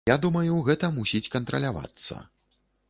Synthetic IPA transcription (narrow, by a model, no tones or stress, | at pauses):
ad̪umɐjuɣɛt̪ɐmusʲit͡sʲkɐnt̪ɾɐ̰lʲava̰t̪sːɐ̰